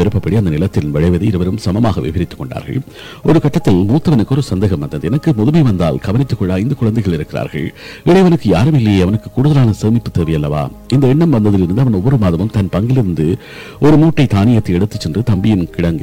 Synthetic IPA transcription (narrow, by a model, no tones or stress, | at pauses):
ɛɾɯpːɐpːɐɽiɐnd̪ɐnɪlɐt̪ːɪlʋɐɻɐɪʋɐðɯɪɾɯʋɐɾɯmsɐmɐmaːɣɐʋɛ̰pɪɾɪt̪ːɯ̥kːɔɳɖa̰ːɾɣɐ̰ɭ | ɔɾɯkɐʈːɐt̪ːɪlmuːt̪ːɐʋɐnɯkːɯɔɾɯsɐnd̪eːɣɐmʋɐnd̪ɐnðɯɛnɐkːɯmʊðɯmɐɪʋɐnd̪a̰ːlɡɐʋɐnɪt̪ːɯkːɔɭːaːɪnd̪ɐkʊɻɐnd̪ɐɪɣɐɭɪɾɯkːɪɾa̰ːɾɣɐ̰ɭ | ɪɽɐɪʋɐnɯkːɯjaːɾɯmɪlːɐjeːɐʋɐnɯkːɯ̥kːuːɽʊðɐlaːnɐseːmɪpːɯt̪ːeːʋɐjɐlːɐʋa̰ː | ɪnd̪ɐɛɳːɐmʋɐnd̪ɐðɪlɪɾɯnd̪ɯɐʋɐnɔʋːɔɾɯmaːðɐmɯmt̪ɐnpɐŋɡɪlɪɾɯnd̪ɯ | ɔɾɯmuːʈːɐɪt̪aːnɪjɐt̪ːɐɪɛɽɯt̪ːɯt͡ʃːɛndrɯt̪ɐmbɪjɪnkɪɽɐŋɡɯ̰